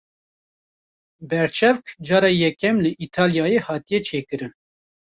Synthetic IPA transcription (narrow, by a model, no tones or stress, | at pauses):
bɛɾt͡ʃʰɛvkd͡ʒɑːɾɑːjɛkɛmlɨʔiːt̪ʰɑːljɑːjehɑːt̪ijɛt͡ʃʰeːkɨɾɨn